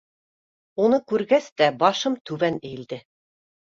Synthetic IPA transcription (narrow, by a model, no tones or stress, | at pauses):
unɤkʉɾɡæst̪æbɑʃɤmt̪ʉβænɘ̆j̆ld̪ɘ